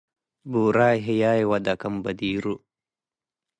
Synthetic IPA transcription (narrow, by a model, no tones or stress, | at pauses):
buːɾaːɦejaːjwɐd̪ɐkɐmbɐd̪iːɾu